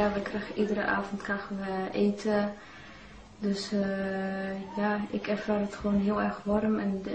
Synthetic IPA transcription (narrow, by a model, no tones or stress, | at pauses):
aʋəkrɛxəʔidərə̰ʔa̰ːvɔntkaxəʋəʔeːtʰə | døs | jaɪkɛrfaːrətxəʋoːnɦiəlˠɛrxʋɔrmɛn